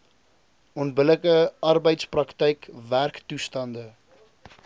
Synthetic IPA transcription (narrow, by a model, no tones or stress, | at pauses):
ɔntbələkəɐrbəjtsprɐktəjkværktustɐndə